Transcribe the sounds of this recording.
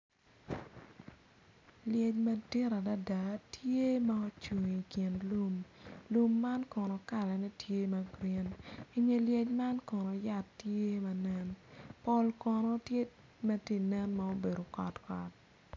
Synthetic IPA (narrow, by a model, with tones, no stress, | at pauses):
ljɛ˨t͡ʃmɐ˦tɪ˦ɾa˨da˦da˨tje˦mɐ˦o˦t͡ʃu˨ŋi˨kjɪ˨nlu˦mlu˨mːa˦nkɔ˨nɔ˨ka˦˨lɛ˨nɛ˦tʰje˦mɐ˨ɡɾe˦ni˦ɲe˨lje˨t͡ʃma˦nkɔ˨nɔ˨ja˦˨tːje˦mɐ˨nɛ˦npɔ˦lkɔ˨nɔ˦tje˦ | mɛ˦ti˦nɛ˦nmɐ˨o˦be˨ɾo˨kɔ̰˨tkɔ˨t